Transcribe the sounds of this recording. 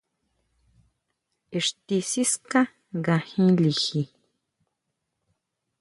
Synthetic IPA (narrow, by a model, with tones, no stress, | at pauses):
i˧ʂt̪i˧si˦skã˦ | ŋɡã˧hĩ˦li˧xi˧